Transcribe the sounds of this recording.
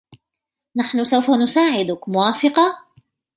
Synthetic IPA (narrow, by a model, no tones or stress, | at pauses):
naħnʊsawfanʊsaːʕɪd̪ʊkmʊwaːfɪqɑ